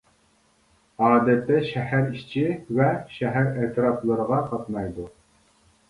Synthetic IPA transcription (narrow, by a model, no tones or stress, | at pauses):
ɑːd̪ɛt̪ːɛʃɛhæɾiʃt͡ʃʰɪvɛʃɛɦæɾɛt̪ɾɑplˠəɾəʁɑqɑt̪mɑjd̪u